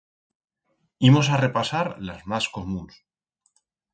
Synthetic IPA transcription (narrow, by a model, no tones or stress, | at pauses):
imo̞s̬are̞pasaɾlazmasko̞mũns